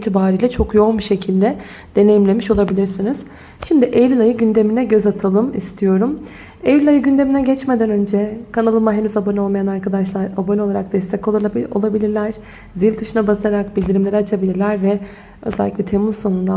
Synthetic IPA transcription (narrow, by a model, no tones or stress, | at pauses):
t̪ʰibaːɾijlʲɛt͡ʃʰo̞kjo̞nbiʃe̞cʰilʲd̪ɛ | d̪e̞ne̞jimlʲe̞miʃo̞lˠabilʲiɾsiniz̥ | ʃimd̪iʔeɾylajɯɟynd̪e̞minɛɟø̞zat̪ʰalˠɯmist̪ʰijo̞ɾum | ejylʲajɯɟynd̪e̞minɛɟɛt͡ʃme̞d̪ænø̞nd͡ʒɛkʰanalˠɯmaɦenyzabonʲo̞lˠmajanaɾkad̪aʃlˠaɾabo̞nʲoaɾak̚d̪̥ɛst̪ʰɛko̞lˠo̞̰lˠabilʲiɾlʲæɾ̥ | zilʲt̪ʰɯʃɯnabazaɾakbilʲd̪iɾimlʲe̞ɾɛat͡ʃʰabilʲiɾlʲæɾvɛ | øzælʲːicʲlʲɛt̪ʰemuzso̞nund̪a